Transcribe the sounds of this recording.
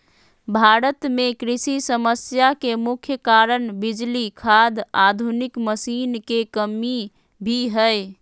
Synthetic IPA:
bʱaɾət̪mekɾisisəməsjakemukʰjəkaɾənbid͡ʒlikʰad̪ad̪ʱunikməsinkekəmi | bʱiɦəj

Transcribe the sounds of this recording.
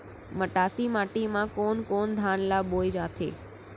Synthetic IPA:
məʈaːsimaːʈimãkoːnkoːnd̪ʱaːnlaɓoːjd͡ʒaːt̪ʰḛː

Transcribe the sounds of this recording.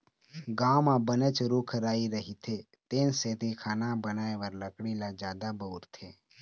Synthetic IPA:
ɡaːmãbənət͡ʃɾukʰɾaːiɾəɦit̪ʰe | t̪eːnseːt̪ikʰaːnãbənaːeʋəɾləkɽilad͡ʒjaːd̪abəuɾt̪ʰeː

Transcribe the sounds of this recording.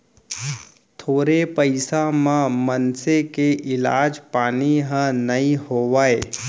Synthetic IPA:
t̪ʰoːɾepəɪsamãmənsekeʔɪlaːd͡ʒpaːniɦə̃nəĩhoːʋae

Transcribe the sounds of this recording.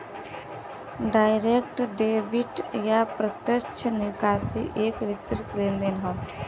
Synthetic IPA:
ɖaːɪɾekʈɖeːbɪʈjapɾət̪jət͡ʃʰənɪkaːsḭʔeːkʋɪt̪ɾɪt̪lẽːnd̪eːnɦə̃ː

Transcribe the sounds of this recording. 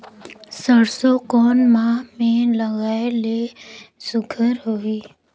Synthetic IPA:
səɾsokoːnmaːmẽləɣaːeleːsʊkʰəɾɦoːiː

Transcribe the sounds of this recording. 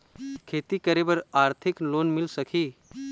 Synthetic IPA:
kʰeːt̪ikəɾebəɾaɾt̪ʰɪkloːnmɪlsəkʰi

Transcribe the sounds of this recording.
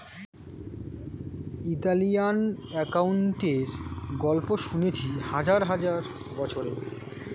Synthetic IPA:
it̪alijanɛkauɳʈeɾɡɔlpoʃunet͡ɕʰihad͡ʑaɾɦad͡ʑaɾ | bɔt͡ɕʰoɾe

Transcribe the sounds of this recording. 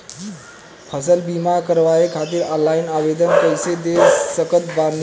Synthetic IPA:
pʰəsəlbimakəɾʋajekʰat̪iːɾalainaʋed̪ənkəjsed̪esəkət̪̚ban

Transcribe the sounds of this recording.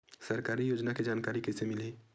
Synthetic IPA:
səɾkaːɾijoːd͡ʒnaked͡ʒaːnkaːɾikɛsemɪli

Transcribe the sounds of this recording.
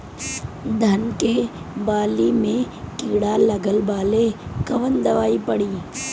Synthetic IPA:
d̪ʱɐnke | baːlimẽ | kɪːɽalɐɡəlbaːlekɐʋənd̪ɐʋaːipɐɽiː

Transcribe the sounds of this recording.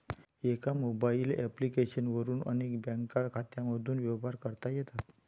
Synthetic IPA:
ekamobailɛplikeɕənʋəɾuːnənekbɛ̃ŋkakʰat̪jaməd̪ʱuːnʋjɛwbaɾkəɾt̪ajet̪at̪

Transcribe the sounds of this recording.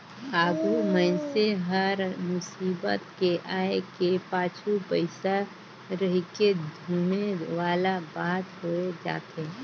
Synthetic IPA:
aːɡumənseɦəɾmʊsiːbə̰t̪keʔaːekepaːt͡ʃʰupəɪsa | ɾəɦiked̪ʱuːmeʋaːlabaːt̪ɦoed͡ʒa̰ːt̪eː

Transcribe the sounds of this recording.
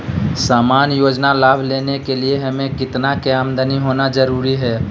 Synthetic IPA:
saːmaːnjoːd͡ʒnalaːbʱleːnekelieɦɐmẽkɪt̪nakjaːmd̪əniɦoːnazɐɾuːɾiɦɛː

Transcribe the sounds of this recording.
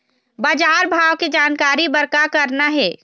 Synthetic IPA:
bad͡ʒaːɾbʱaːʋked͡ʒaːnkaːɾibɐɾkakɐɾnaɦɛː

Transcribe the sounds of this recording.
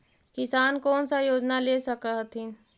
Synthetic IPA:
kɪsaːnkɔːnsajoːd͡ʒnaleːsəkəɦt̪ʰin

